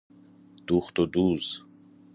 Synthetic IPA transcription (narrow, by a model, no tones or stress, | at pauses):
d̪̥uχt̪ɔd̪uz